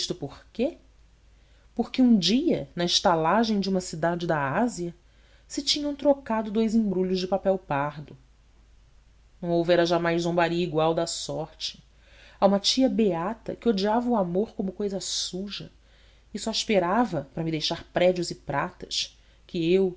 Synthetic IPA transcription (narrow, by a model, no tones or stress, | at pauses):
iʃt̪ʊpoχke | poχkɪũd͡ʒiɐnɐɪʃt̪alaʒẽj̃d͡ʒɪũmɐsid̪ad͡ʒɪd̪ɐaziɐ | sɪt͡ʃĩɲɐ̃w̃t̪ɾokad̪ʊd̪ojzĩbɾuʎʊʒd͡ʒɪpapɛwpaɾd̪ʊ | nɐ̃w̃owvɛɾɐʒamajzzõbaɾiiɡwawd̪ɐsɔɾt͡ʃɪ̥ | aũmɐt͡ʃiɐbeat̪ɐ̰kɪod͡ʒiavɐuamoɾkõmʊkojzɐsuʒɐ | ɪsɔiʃpeɾavɐpɾɐmid̪ejʃaɾpɾɛd͡ʒʊzɪpɾat̪ɐʃ | kɪew